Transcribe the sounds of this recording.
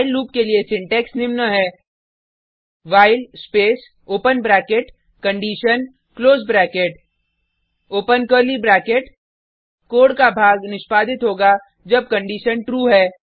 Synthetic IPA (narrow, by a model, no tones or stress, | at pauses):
aɪlːuːp̚keliesɪ̃ɳʈɛːksnɪmnəɦɛː | ʋaːɪlspeːs | oːpənbɾɛːkeʈ | kɐ̃ɳɖiːʃən | kloːzbɾɛːkeʈ | oːpənkəɾlibɾɛːkeʈ | koːɽkabʱaːɡnɪʃpaːd̪ʱɪt̪ɦoːɡa | d͡ʒɐb̚kə̃ɳɖiːʃənʈɾuːɦɛː